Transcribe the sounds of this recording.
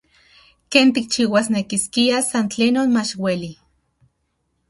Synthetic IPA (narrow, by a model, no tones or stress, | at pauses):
keːnt̪ik̚t͡ʃiːwasnekiskiasant͡ɬeːnoːnmat͡ʃweli